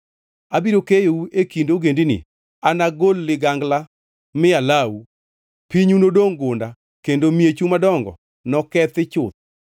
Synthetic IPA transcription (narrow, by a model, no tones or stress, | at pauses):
abiɾokejouekindoɡendinɪ̰ | anaɡolːɪɡaŋɡla | mɪalawu | piɲunodoŋɡʊnda | kendomiet͡ʃumadɔŋɡɔ̰ | nɔkɛt̪ɪt͡ʃʊt̪̚